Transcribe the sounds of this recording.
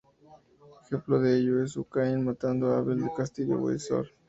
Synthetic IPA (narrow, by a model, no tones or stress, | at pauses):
exe̞mploðeeʝoe̞s̬ukaenmat̪and̪oaβeld̪ekast̪iʝo̰wḛso̰ɾ